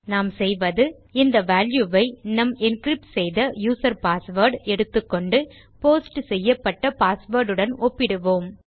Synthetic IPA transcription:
naːmsɛjʋɐðɯ | ɪnd̪ɐʋaːljuːʋɐɪnɐmɪnkɾɪp̚ʈsɛjðɐjuːsɐɾpaːsʋɐːɾɖɛɽɯt̪ːɯkːɔɳɖɯ | poːsʈsɛjːɐpːɐʈːɐpaːsʋɐːɾɖɯɽɐnɔpːɪɽɯʋoːm

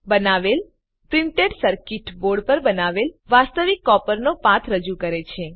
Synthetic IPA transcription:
bənaʋel | pɾiɳʈeɖsəɾkiʈboɾɽpəɾbənaʋelʋast̪əʋikːɔpəɾnopãt̪ʰɾəd͡ʒukəɾet͡ʃʰe

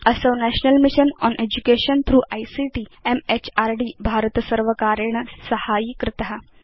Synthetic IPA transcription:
əsənæʃnəlmiʃənɔ̰ːnʔed͡ʑukeɕənt̪ʰɾuːʔajsiʈiːemet͡ɕaːɾɖiːbʱaːɾt̪səɾʋəkaɾəɳ̃əsəhajikɾɪt̪əɦa

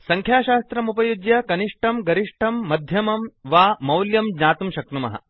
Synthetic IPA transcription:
sɐ̃ŋkʰjaːʃaːst̪ɾɐmupɐjud͡ʒjɐkɐniʂʈʰɐmɡɐɾiʂʈʰɐmːɐd̪ʱjɐmɐmʋaːmɐwljɐmd͡ʒɲaːt̪umʃɐk̚t̪umɐ̰ɦɐ̰

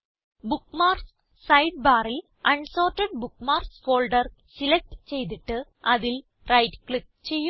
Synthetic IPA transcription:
bukːmaːrs | sɐjɖ̚baːɾil | ɐɳso̞ːrʈːɐɖ̚bukːmaːrsfoːlɖɐr | silek̚ʈɨt͡ɕe̞jt̪̬iʈːɨ | ɐðil | rɐjʈkɭip̚ | t͡ɕe̞jːu

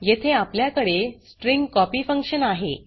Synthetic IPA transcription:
jet̪ʰeapljakəɽesʈɾiŋɡkɔpifəŋkɕənaɦḛ

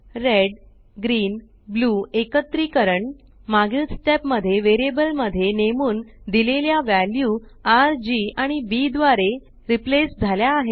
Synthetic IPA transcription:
ɾeɖ | ɡɾiːn | bluːekət̪ːɾiːkəɾəɳ | maɡit̪sʈepməd̪ʱːjeʋeɾiebəlməd̪ʱːjenemuːnd̪ileljaʋæljuːaɾd͡ʑiːaɽ̃ibid̪ʋaɾe | ɾiplesd͡zʱaljaːɦe

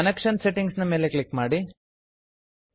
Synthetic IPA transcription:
ɐnekʂɐnseʈiŋɡsnɐmeːle̞klikmaːɽi

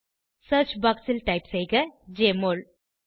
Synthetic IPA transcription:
sɐːɾt͡ʃbaːksɪlʈɐɪpsejɡɐd͡ʒeːmoːl

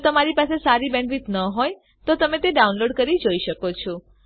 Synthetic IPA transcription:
t̪əmaɾipasesaɾibɛ̃ɳɖɾit̪nəɦoj | t̪ot̪əmet̪eɖaunloɖkəɾid͡ʒoiʃəkot͡ʃʰɔ

